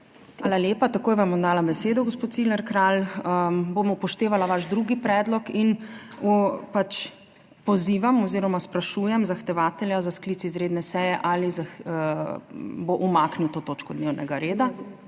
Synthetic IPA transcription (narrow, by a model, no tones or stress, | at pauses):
aːlaljeːpat̪akoːjʋamɔmd̪aːlabɛseːd̪ɔɡɔspoːt̪silɛɾkɾaləbomɔpɔʃt̪eːʋalaʋaʒd̪ɾuɡipɾɛːd̪lɔkin | pat͡ʃ | pɔziːʋamɔziːɾɔmaspɾaʃuːjɛmzaxt̪ɛʋaːt̪ɛljazaskliːt͡s̪izɾeːd̪nɛsɛjɛʔaliza | boʔumakniwt̪oːt̪oːt͡ʃkɔd̪newnɛɡaɾeːd̪a